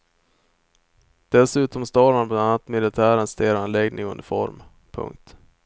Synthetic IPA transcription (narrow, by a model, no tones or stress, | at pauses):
d̪̥ɛsʉ̟ːt̪ɔmst̪oːɾmanblananːat̪mɪlɪt̪ʰæːɾənst̪ʰeːɾanlɛɡnʔɪ̰ŋɵ̰nd̪ɪfɔ̰ɾm | pʰɵ̰ŋk̚t̪